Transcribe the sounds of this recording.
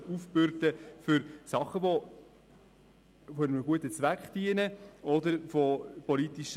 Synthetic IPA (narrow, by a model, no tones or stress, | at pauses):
ufb̥øɾtəfʏɾsɑχəʋɔ | fɔɪnəməɡuətət͡sʋækχd̥iənəʔɔd̪əɾfɔpɔlitiʃ